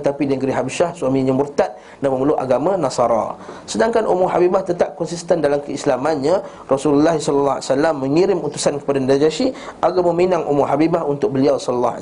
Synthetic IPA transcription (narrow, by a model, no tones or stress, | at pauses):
t̪apidinəɡɾiɦabiʃahsuwamĩɲãmurt̪at̪̚ | daməməluʔa̰ɡamãnasɑɾa̰sədaŋkanʔṵmuɦabibaht̪ət̪ap̚kɔnsist̪əndalamkəislamanɲã | rɔsululːahisɔləlːaa̰salːamːə̃ŋiɾɪmut̪usankə̥padandad͡ʒaʃiʔaɡaməminãŋʔṵmuɦabibahunt̪ʊk̚bəliawsɔləlːɑ